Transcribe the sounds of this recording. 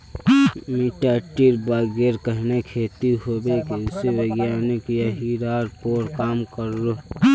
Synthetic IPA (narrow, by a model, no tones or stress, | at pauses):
miʈaːʈiɾbaːɡeɾkəɦnekʰeːt̪iɦoːbekiʊseweɡjaːnekijaɦiɾaːɾpoːɾkaːmkəɾːo